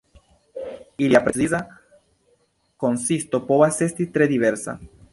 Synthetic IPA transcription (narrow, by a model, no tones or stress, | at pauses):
iljapɾesiða | konsist̪opoβasest̪it̪ɾeðiβeɾsa̰